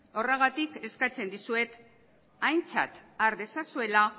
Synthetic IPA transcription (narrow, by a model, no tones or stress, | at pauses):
o̞reɣat̪ike̞skat͡se̞nd̪isue̞t̪ | ajnt͡sa̰t̪aɾðe̞sasue̞la